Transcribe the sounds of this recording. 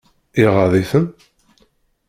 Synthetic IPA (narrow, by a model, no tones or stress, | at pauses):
iʁəðiθən